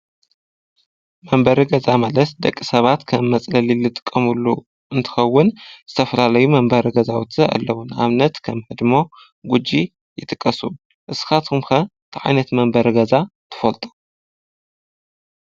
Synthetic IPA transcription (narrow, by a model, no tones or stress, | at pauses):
mɐmbɐɾɨɡɐzamɐlɐt̪d̪ɐkʼːisɐβat̪kʰɐmːɐt͡sʼlɐlilɨt̪ʼɨ̥kʼːɐmulːu | ʔɨnt̪ʰɨ̥xɐwːʊnz̥ɨt̪ʰɐfɐlalɐjumɐmbɐɾɡɐzawut̪ʰɨa̰lːɐwʊna̰βnɐt̪kʰɐmhɨd̪mo̞ | ɡud͡ʒːi | jɪt̪ʼɨkʼːɐsu | ʔɨsɨ̥xat̪ʰumxɐ | t̪ʰʕa̰jnɐt̪mɐmbɐɾɡɐzat̪ʰɨ̥fɐlt̪ʼu̥